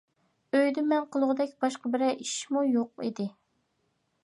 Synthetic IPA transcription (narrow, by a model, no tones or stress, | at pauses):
øjd̪ɪmːɛnqəlˠʊʁʊd̪ɛkʲb̥ɑʃqɑbɪɾɛʔiʃmujoq̚ḭd̪ɪ